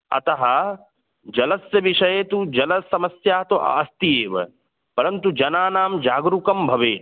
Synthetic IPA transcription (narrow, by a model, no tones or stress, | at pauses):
ɐ̰t̪ɐɦɐ | d͡ʒɐlɐsjɐʋiʂɐjeːt̪ud͡ʒɐlɐsɐmɐsjaːt̪oʔa̰ːst̪ijeːʋɐ̰ | pɐɾɐnt̪ud͡ʒɐnaːnaːmd͡ʒaːɡɾukɐmbʱɐʋeː